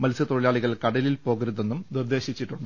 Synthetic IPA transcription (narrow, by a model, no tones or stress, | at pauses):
mɐlsɐt̪o̞ɻilaːɭiɣɐɭkɐɽɐlilpo̞ːɣɐɾuðenːumnird̪e̞ːɕit͡ɕːiʈːuɳɖɨ